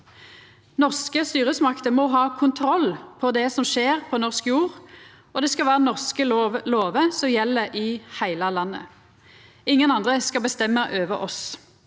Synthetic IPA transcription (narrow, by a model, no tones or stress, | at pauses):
nɔʁskəst̪yːʁəsmɑkt̪əmɔɦɑːkʰʊnt̪ʰɾɔlːpʰɔd̪ɛsɔmʃeːʁpʰɔnɔʁskjuːʁ | ɔd̪ɛskɑʋæːʁənɔʁskəloːʋəsɔmjɛlːəʔɪhæɪləlɑnːə̰ | ɪŋːənɑnd̪ʁəskɑbəst̪ɛmːəʔøːʋəʔɔs